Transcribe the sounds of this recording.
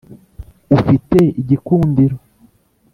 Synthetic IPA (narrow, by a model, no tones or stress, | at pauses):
ufite̞iɟikuːndiɾo